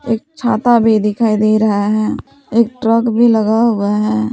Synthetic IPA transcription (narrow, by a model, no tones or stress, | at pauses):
ḛːk̚t͡ʃʰaːt̪abʱid̪ɪkʰaːid̪eɾəɦaɦɛː | eːk̚ʈɾəkbʱiləɡaɦʊeɦɛː